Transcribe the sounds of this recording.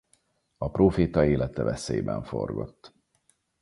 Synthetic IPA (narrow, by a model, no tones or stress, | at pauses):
ɒproːfeːt̪ɒeːlɛt̪ɛvɛseːbɛɱfo̞̰rɡot̪ː